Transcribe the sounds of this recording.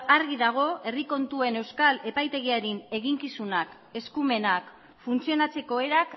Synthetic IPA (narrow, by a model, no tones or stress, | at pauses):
aɾɣiðaɣ̞o̞e̞riko̞nt̪ue̞ne̞wskale̞pajt̪e̞ɣiaɾine̞ɣiŋkisunak | e̞skume̞nak | funt͡sio̞nat͡se̞ko̞e̞ɾak